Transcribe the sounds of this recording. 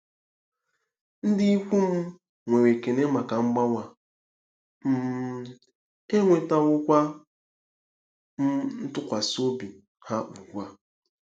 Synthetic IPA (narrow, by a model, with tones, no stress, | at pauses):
n̩˦dɪ˦i˦kʷu˦m̩˦ | ŋʷe˨we˨ke˨ne˦ma˨ka˨ŋ͡m̩˦ɡ͡ba˦ŋʷa˨ | m̩˦˨ | e˦ŋʷe˨ta˦wʊ˦kʷa˦ | m̩˦n̩˦tʊ˦kʷa˨so˦bi˨ | ha˦u˨ɡʷa˦